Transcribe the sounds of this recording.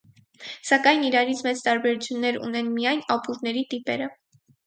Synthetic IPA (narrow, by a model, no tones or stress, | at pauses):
sɑkɑjniɾɑɾit͡sʰmɛt͡st̪ɑɾbɛɾut͡sʰjunːɛɾṵnɛnmijɑjnɑpuɾnɛɾit̪ipɛ̰ɾə